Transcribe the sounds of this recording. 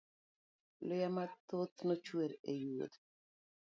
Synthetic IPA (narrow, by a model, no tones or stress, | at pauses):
lʊjamat̪ot̪not͡ʃweɾejuo̰d̪